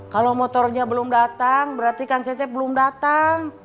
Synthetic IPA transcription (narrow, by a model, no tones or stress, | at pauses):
kalomɔt̪ɔrɲabəlʊmdat̪aŋbəɾart̪ikaŋt͡ʃɛt͡ʃɛp̚bəlʊmdat̪aŋ